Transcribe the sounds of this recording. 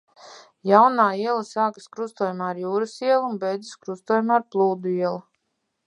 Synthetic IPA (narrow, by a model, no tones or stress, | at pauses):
jawnaːiɛlˠasaːkaskɾust̪ɔjamaːɾjuːɾɐsiɛlˠunbɛjd̪ziskɾust̪uɔːjmaːɾplˠuːd̪uiɛlˠa